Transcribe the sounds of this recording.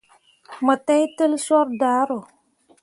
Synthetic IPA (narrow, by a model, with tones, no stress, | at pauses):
mə˨ta˦jtə˦lsɔ˦ɾdaː˨˦ɾʊ˨